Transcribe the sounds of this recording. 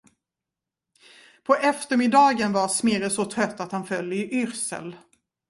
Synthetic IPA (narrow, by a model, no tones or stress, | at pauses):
pʰɔʔɛft̪əɾmɪd̪ɑːɡənvaɾsmɪɾəsɔt̪ʰɾœt̪ːat̪hanfœljəɪʔʏɾsə̰l